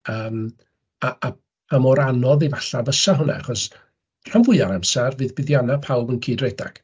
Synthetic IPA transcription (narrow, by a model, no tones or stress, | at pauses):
əːm | aa | amɔɾanɔðivaɬavəsaɦʊna̰aχɔs | r̥amvʊɨaɾamsɛrvɨːðbɪðjanapʰawbənkʰiːdreda̰ɡ̥